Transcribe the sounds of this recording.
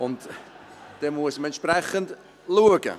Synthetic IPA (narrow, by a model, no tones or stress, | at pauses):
ʊnt | d̥emuəsməɛnʃprɛχənt | luəɡə̰